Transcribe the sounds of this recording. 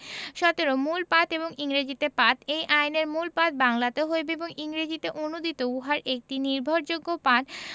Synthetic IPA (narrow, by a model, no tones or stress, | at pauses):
ʃɔt̪eɾomulpat̪eboŋiŋɾed͡ʑit̪epat̪ejʔajneɾmulpat̪̚baŋlat̪eɦoebeeboŋiŋɾed͡ʑit̪eʔonud̪it̪ouɦaɾʔek̚ʈiniɾbʱoɾd͡ʑoɡːopat̪